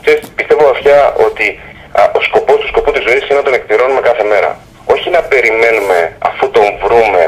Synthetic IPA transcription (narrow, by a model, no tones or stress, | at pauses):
kseɾspist̪e̞voɐfçɐʔo̞t̪i | o̞sko̞po̞st̪u̥sko̞put̪izo̞isinenɐt̪o̞ne̞kpiɾo̞nume̞kɐθe̞me̞ɾɐ̰ | o̞çinɐpe̞ɾime̞nume̞ɐ̰fut̪o̞ɱvɾume̞